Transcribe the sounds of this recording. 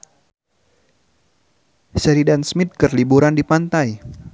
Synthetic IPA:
səɾidansmɪt̪̚kərlibuɾandipant̪aj

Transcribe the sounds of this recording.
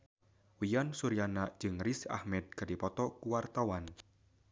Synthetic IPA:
wijansuɾijanḁd͡ʒɨŋrisa̰hmɛd̪̚kadipɔt̪ɔkuwart̪awan

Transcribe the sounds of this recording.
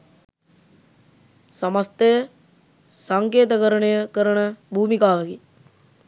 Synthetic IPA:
samast̪əjə | saŋkeːt̪əkəɾəɳəjəkəɾənəbʱuːmikaːʋəki

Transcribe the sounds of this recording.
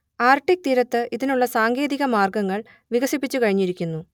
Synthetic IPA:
aːrʈːik̚t̪iːɾɐt̪ːɨʔiðinuɭːɐsaːŋɡe̞ːðiɣɐmaːrɡɐŋːɐɭ | ʋiɣɐsipːit͡ɕːukɐɻiɲːiɾikʲːunːu

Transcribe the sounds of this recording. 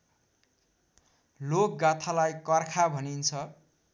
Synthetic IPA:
lok̚ɡat̪ʰalajkʌrkʰabʱʌnint͡sʰʌ

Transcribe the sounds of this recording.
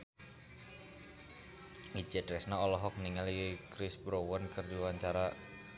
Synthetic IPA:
it͡ʃɛdɾɛsnaɔlɔɦɔk̚niŋaljəkɾɪsbɾowɔnkərd͡ʒuaɲt͡ʃaɾa

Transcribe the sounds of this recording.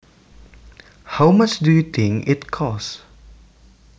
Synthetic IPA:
hawmat͡ʃdutʰɪ̃ŋɪtkʰɔs

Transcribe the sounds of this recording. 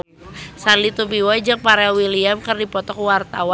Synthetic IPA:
sanlit̪ubiwad͡ʒaŋpaɾawiliamkɨrdipɔt̪ɔkwart̪awa

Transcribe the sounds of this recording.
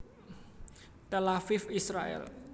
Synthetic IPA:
t̪elafɪfisɾaɛ̰l

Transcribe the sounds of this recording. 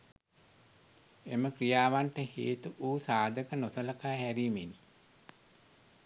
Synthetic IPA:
eməkrijaːʋaɳʈəhḛːt̪uʔuːsaːd̪əkənosələkaːɦæɾiːmeni

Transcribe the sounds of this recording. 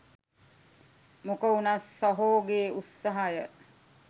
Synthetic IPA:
mokəunasːoɦoːɡeːusːaɦajə

